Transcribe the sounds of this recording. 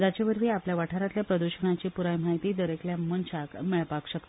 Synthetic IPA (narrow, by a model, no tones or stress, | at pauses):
d͡ʑat͡ɕeʋəɾʋiːapljaʋaʈʰaɾat̪ljapɾəd̪uɕəɳ̃at͡ɕiːpuɾajm̤aɦit̪iːd̪əɾekljamənt͡ɕakmeɭpakɕəkt̪o